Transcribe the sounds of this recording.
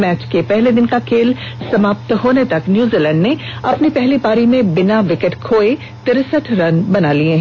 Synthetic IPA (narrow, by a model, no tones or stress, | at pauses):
mɛːt͡ʃkepɛɦled̪ɪnkakʰeːlsɐmaːp̚t̪ɦoːnet̪ɐknjuːziːlɛ̃ːɳɖneɐpnipɛɦlibaːɾimẽbɪnaʋɪkəʈkʰoːe | t̪ɪɾsəʈʰɾɐnbɐnaliẽɦɛ̃